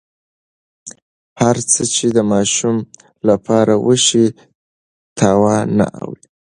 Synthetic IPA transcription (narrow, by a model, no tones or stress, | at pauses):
haɾt͡sət͡ʃed̪əmɑʃum | lapʰɑɾawəʃi | t̪ʰɑwɑna̰ʔa̰wi